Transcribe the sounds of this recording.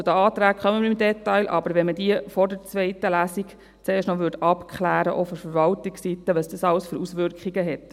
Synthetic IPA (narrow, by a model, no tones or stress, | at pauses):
ud̪əɑːt̪ɾæːkχœməməɾimdɛt̪ːɑɪlʔɑbəɾʋɛnmədiəfɔdəɾt͡sʋɛɪtəlæːsiɡ | t͡seːʃtnɔʋʏɾdɑpkʰχlæːɾəʔofɔɾfəɾʋɑltɪksit̪ːəʋəsd̥əsɑləsføɾusʋʏɾkχiɡəɦɛt